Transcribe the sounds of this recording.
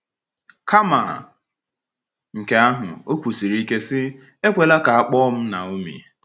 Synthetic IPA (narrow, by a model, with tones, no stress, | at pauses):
ka˦ma̰˨ | ŋ̩˨ke˨a˦ɦʊ̰˨o˦kʷu˨si˨ɾi˦ke˦sɪ˦ | e˦kʷe˨la˦ka˨a˦˨k͡pɔ˦m̩˦na̰˨o˦mḭ˨